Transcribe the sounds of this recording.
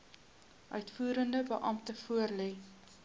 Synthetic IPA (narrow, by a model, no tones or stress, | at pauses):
ʔœɥtfuːɾəndəbəʔɐmtəfuərlɛ